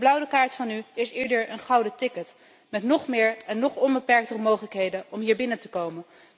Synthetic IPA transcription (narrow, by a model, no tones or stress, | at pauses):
blʌwdəkaːɹtfɑnyɪsɪːɹdəɹənχɑwdətɪkət | mɛtnɔχmɪːɹɛnːɔχɔnbəpɛɹk̚tərəmowχələkɦejdənɔmɦiːɹbɪnəntəkowmən